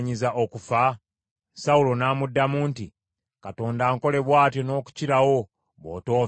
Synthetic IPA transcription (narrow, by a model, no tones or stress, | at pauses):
ɲizaʔokufa | saulo̞naːmudːamuːnti | kato̞ːndaːŋko̞le̞βwaːtjo̞no̞ːku̥ciɾawo̞ | βo̞̰ːto̞ː